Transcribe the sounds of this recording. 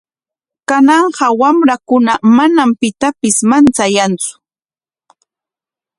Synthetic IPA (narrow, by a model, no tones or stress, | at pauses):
kanɑɴɢɑwamɾakʊnamanampɪt̪apɪsmant͡sajant͡sʊ̥